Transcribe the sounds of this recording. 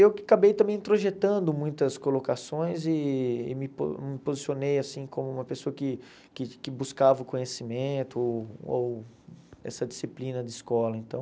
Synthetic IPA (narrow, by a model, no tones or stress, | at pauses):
ewkɪakabejt̪ɐ̃bẽj̃t̪ɾoʒet̪ɐ̃nd̪ʊmũj̃t̪ɐskolokasõj̃zɪ̰ːmɪpo̰mɪpozisionejasĩkʰõmʊũmɐpesoɐkɪ | kɪkɪbuskavɐʊkõɲesimẽt̪ʊow | ɛ̰sɐd͡ʒisiplĩnɐd̪ɪːskɔlɐẽnt̪ɐ̃w̃